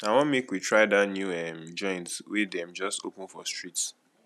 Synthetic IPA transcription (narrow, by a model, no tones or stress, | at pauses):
awɔ̃nmekwitʰɹaɪdatnjuɛmd͡ʒɔ̃ɪ̃ntwedɛ̃md͡ʒɔstopũnfɔstɹits